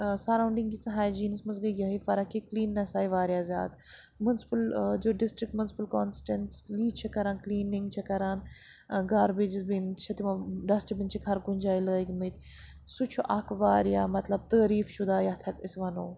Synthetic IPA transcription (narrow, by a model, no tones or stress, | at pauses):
sɐɾaːwɳɖiŋɡɡisɐɦaːjd͡ʒiːnismɐz̬ɡɐɡɐɦifɐɾɐkikliːnːɐsaːiʋaːɾjaːzja̰ːd̪ | munspɐld͡ʒoːɖɪsʈɾɪk̚ʈmunsi̥pɐlkoːnsʈenʈsliːt͡ʃʰɐkɐɾaːnkliːnĩŋɡt͡ʃʰɐkɐɾaːn | ɡaːɾbeːd͡ʒizbint͡ʃʰɐt̪imɐɖɐsʈibint͡ʃʰikʰɐɾɡunʲd͡ʒaːiləːiɡimit̪ | sut͡ʃʰuʔɐkʰʋaːɾijaːmɐt̪lɐb̚t̪əːɾiːfʃud̪aːjat̪ʰɐkisʋɐnoː